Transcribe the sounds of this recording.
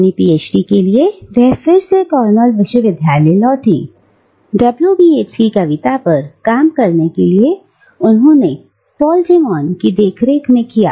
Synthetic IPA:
nipiːeːt͡ʃʈikelieʋɛɦfɪɾsekɔːɾnəlʋɪʃwəʋɪd̪ʱjaːlɛlɔːʈḭː | ɖɐbljubiːeːt͡ʃkikɐʋɪt̪apɐɾkaːmkɐɾnekelie | ʊnɦõne | pɔːld͡ʒeːmɔːnkid̪eːkʰɾeːkmẽkija̰ː

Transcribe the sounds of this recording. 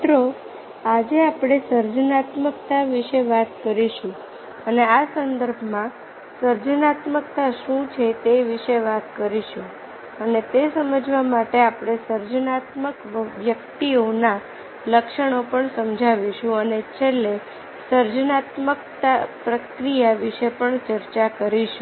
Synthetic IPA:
t̪ɾo | ad͡ʒeapɽ̃esəɾd͡ʒnat̪məkt̪aʋiʃeʋat̪kəɾiʃũ | əneasənd̪əɾbʱmã | səɾd͡ʒnat̪mək̚t̪aʃũt͡ʃʰet̪eʋiʃeʋat̪kəɾiʃũ | ənet̪esəməd͡ʒʋamaʈeapɽ̃esəɾd͡ʒənat̪məkʋjək̚t̪iona | ləkʃəɳ̃opəɳsəmd͡ʒʱaʋiʃũənet͡ʃʰele | səɾd͡ʒnat̪məkt̪apɾəkɾijaʋiʃepəɳt͡ʃəɾt͡ʃakəɾiʃũ

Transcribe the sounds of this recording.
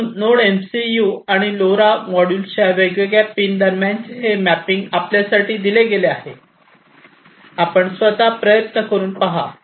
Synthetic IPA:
noɽemsijuaɽ̃iloɾamɔɽuːlɕaʋeɡjəɡjapːiːnd̪əɾmjãnt͡seɦemæpiŋɡapljasaʈiːd̪ileɡeleaɦe | apəɳsʋət̪apɾəjət̪nəkəɾuːnpaɦa̰

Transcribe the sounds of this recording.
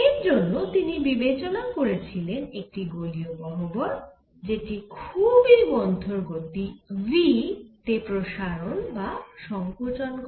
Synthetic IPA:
eɾd͡ʑonːot̪inibibet͡ɕonakoɾet͡ɕʰilenek̚ʈiɡoliobɔɦoboɾ | d͡ʑeʈikʰubibɔnt̪ʰoɾɡot̪ivit̪epɾoʃaɾonbaʃɔŋkot͡ɕonk

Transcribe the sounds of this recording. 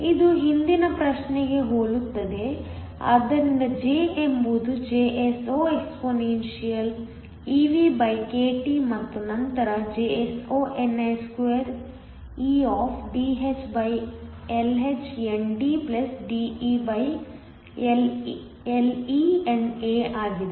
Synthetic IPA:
id̪uɦind̪inɐpɾɐʃneɡe̞ɦoːɭut̪ːɐd̪e̞ | a̰ːd̪ɐɾind̪ɐd͡ʒeːemːud̪ud͡ʒeːʔesoːekspoːnenʃijɐl | iːʋiːbɐjkeːʈimɐt̪ːunɐnt̪ɐɾɐd͡ʒeːesoːʔeneskʋeɾ | iːaːfɖiːɦet͡ʃbɐj | elɦet͡ʃeɳɖiplɐsɖiiːbɐj | el | eliːeneːaːɡid̪e

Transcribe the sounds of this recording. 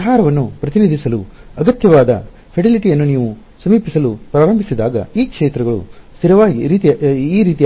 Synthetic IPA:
ɦaːɾɐʋɐnːupɾɐt̪inid̪ʱisɐluɐɡɐt̪jɐʋaːd̪ɐ | pʰeʈiliʈijɐnːuniːʋu | sɐmiːpisɐlupɾaːɾɐmbʱisid̪aːɡɐ̰iːkʂeːt̪ɾɐɡɐɭṵst̪iɾɐʋaːɡiɾiːt̪iiːɾiːt̪i

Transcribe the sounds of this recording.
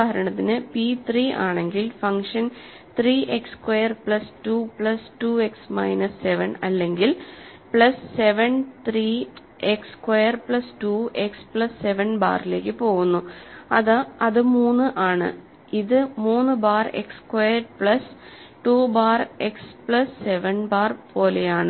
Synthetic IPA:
ɦɐɾɐɳɐt̪ːinɨpit̪riːa̰ːɳe̞ŋɡilfɐŋʂɐn | t̪riːʔekskwejɐrpɭɐstupɭɐstuːe̞ksmɐ̰jnɐsːe̞ʋɐnɐlːe̞ŋɡil | pɭɐsːe̞ʋɐnt̪riː | ekskwejɐrpɭɐstuːʔekspɭɐsːe̞ʋɐnba̰ːrile̞ːkːɨpo̞ːɣunːuɐðɐðɨmuːnːɨʔaːɳɨ̰ | iðɨmuːnːɨbaːre̞̰kskwejːɐrpɭɐs | ʈuːbaːrekspɭɐsːe̞ʋɐnbaːrpo̞ːlejaːɳɨ

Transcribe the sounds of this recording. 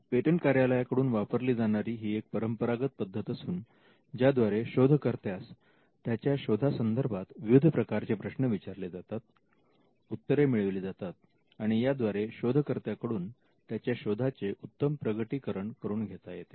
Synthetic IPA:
peʈəɳkaɾjaləjakəɽuːnʋapəɾliːd͡zaɽ̃aɾiːɦiːek̚pəɾəmpəɾaɡət̪̚pəd̪ʱːət̪əsuːn | d͡ʑjad̪ʋaɾeɕod̪ʱəkəɾt̪jas | t̪ːjat͡ɕjaɕod̪ʱasənd̪əɾbʱat̪ʋiʋud̪ʱəpɾəkaɾt͡sepɾəɕnəʋit͡ɕaɾled͡zat̪at̪̚ | ut̪ːəɾemiɭəʋelid͡zat̪at̪̚ | aɽ̃ijad̪ʋaɾeɕod̪ʱəkəɾt̪jakəɽuːn | t̪jat͡ɕjaɕod̪ʱat͡seʔut̪ːəmpɾəɡəʈiːkəɾəɳkəɾuːnɡʱet̪ajet̪

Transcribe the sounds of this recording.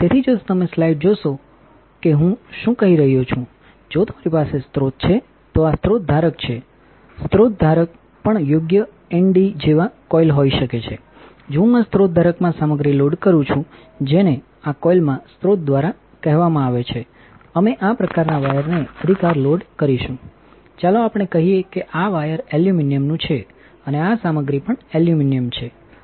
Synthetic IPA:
t̪et̪ʰid͡ʒot̪əmeslaiʈ̚d͡ʒoʃo | keɦũʃũkəɦiɾəɦijot͡ʃʰũ | d͡ʒot̪əmaɾipasest̪ɾot̪̚t͡ʃʰe | t̪oast̪ɾot̪̚d̪ʱaɾəkt͡ʃʰe | st̪ɾot̪̚d̪ʱaɾək̚ | pəɳjoɡjə | ɛɳɖid͡ʒeʋakɔilɦoiʃəket͡ʃʰe | d͡ʒũãst̪ɾot̪̚d̪ʱaɾəkmãsaməɡɾiloɖkəɾũt͡ʃʰũ | d͡ʒene | akɔilmãst̪ɾot̪̚d̪ʋaɾa | kɛɦʋamãaʋet͡ʃʰe | əmeʔapɾəkaɾnaʋajəɾneəd̪ʱikaɾloɖkəɾiʃũ | t͡ʃalõapɳ̃ekəɦijekeʔaʋajəɾeljuminijəmnũt͡ʃʰe | əneasaməɡɾipəɳeljuminijəmt͡ʃʰe

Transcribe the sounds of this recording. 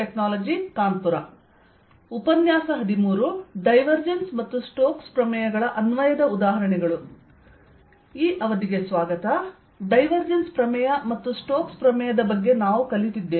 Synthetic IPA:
eknaːlɐd͡ʒikaːnpuɾɐ | upɐnjaːsɐɦɐd̪imuːɾuɖɐjʋɐɾd͡ʒensmɐt̪ːusʈoːkspɾɐmɐjɐɡɐɭɐʔɐnʋɐjɐd̪ɐud̪aːɦɐɾɐɳɛɡɐɭu | iːʔɐʋɐd̪iɡe̞sʋaːɡɐt̪ɐ | ɖɐjʋɐɾd͡ʒenspɾɐmɐjɐmɐt̪ːusʈoːkspɾɐmɛjɐd̪ɐbɐɡːe̞naːʋukɐlːit̪id̪ːeː

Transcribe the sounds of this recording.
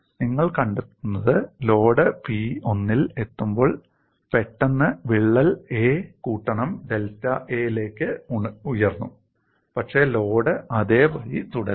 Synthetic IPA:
niŋːɐɭkɐɳɖet̪ːunːɐðɨlo̞ːɽɨpio̞nːile̞t̪ːumbo̞ːɭ | pe̞ʈːɐnːɨʋiɭːɐleːkuːʈːɐɳɐmɖe̞ltːɐʔe̞ːjile̞ːkʲːɨujɐrnːu | pɐkʂe̞ːlo̞ːɽɨʔɐðeːʋɐjit̪uɽɐ

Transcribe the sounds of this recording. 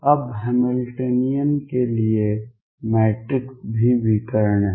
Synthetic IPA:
ɐbɦɛmɪlʈeːnijənkelie | mɛːʈɾɪksbʱiʋɪkəɾəɳɦɛ

